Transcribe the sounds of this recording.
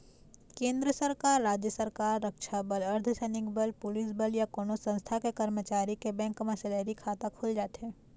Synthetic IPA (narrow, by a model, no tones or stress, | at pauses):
kẽːnd̪ɾəsəɾkaːɾːaːd͡ʒjəsəɾkaːɾːəkʃabəlɐɾd̪ʱsɛːnɪkbəlpʊlɪsbəljakonosɐ̃ñst̪ʰakekɐɾmət͡ʃaːɾikebɛ̃ːŋkmaseleːɾikʰaːt̪akʰʊld͡ʒaːt̪ɦɛ̃ː